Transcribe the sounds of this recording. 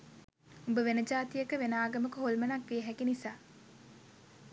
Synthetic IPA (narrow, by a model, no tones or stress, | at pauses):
umbəʋenəd͡ʒaːt̪ijəkəʋenaːɡəməkəɦolmənakʋieɦækinisaː